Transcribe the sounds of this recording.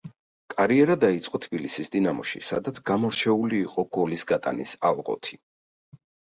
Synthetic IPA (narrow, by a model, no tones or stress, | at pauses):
kʼaɾiɛɾad̪ait̪sʼqʼɔt̪ʰbilisisd̪inamɔʃḭsa̰d̪at̪sʰɡamɔɾt͡ʃʰɛuliːqʼɔɡ̥ɔlisɡat̪ʼa̰nisalˠʁɔ̰t̪ʰi